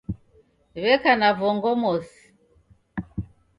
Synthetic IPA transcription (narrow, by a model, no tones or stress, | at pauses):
βɛkanavɔŋɡɔmɔsi̥